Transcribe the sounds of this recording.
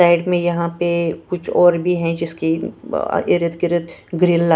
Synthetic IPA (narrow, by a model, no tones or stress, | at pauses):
saːɪɖmẽjɐɦãpekʊt͡ʃʰɔːɾbʱiɦɛ̃d͡ʒɪskḭ | ɪɾɪt̪ɡɪɾət̪ɡɾɪlːa